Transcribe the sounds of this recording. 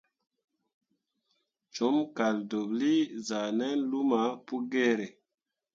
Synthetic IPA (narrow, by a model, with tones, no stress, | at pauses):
t͡ʃo˨˦mka˨ldo˨bli˦za˨nɛ˦nlu˦ma˨˦pu˦ɡe˦ɾe˨